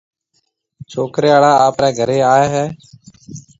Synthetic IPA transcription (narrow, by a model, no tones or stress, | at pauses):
t͡ʃʰoːkɾeːaːɭaːaːpɾɛːɡʱəɾeːaːeːɦɛː